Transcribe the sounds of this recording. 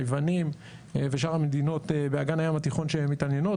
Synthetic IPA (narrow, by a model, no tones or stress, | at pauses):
jvanim | veʃaʁamed̪ino̞t̪ebeaɡanajamat̪iχo̞nʃemːit̪anjeno̞